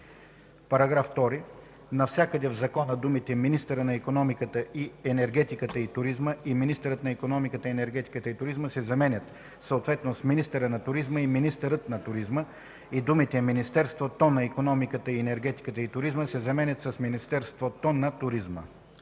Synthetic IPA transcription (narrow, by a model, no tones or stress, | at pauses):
pɐɾɐɡɾafːt̪ɔɾi | nɐfsʲakəd̪ɛvzɐkɔnəd̪umit̪ɛminist̪əɾənɐikonɔmikət̪əʔiɛnɛɾɡɛt̪ikət̪əit̪ʊɾizməiminist̪əɾət̪nɐikonɔmikət̪əiɛnɛɾɡɛt̪i̥kət̪əit̪ʊɾizməsɛzɐmɛnʲət̪ | səot̪vɛt̪nosminist̪ɛɾənɐt̪ʊɾizməiminist̪əɾət̪nɐt̪ʊɾizmə | id̪umit̪ɛminist̪ɛɾst̪vot̪onɐikonɔmikət̪əiɛnɛɾɡɛt̪i̥kət̪əit̪ʊɾizməsɛzɐmɛnʲət̪sɐsminist̪ɛɾst̪vot̪onɐt̪ʊɾizmə̰